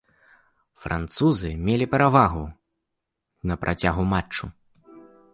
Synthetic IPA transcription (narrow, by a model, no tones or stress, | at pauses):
fɾʔa̰nt̪suzɨmʲelʲipʲɛɾavaɣu | nɐpɾʔat͡sʲaɣumat͡ʂːu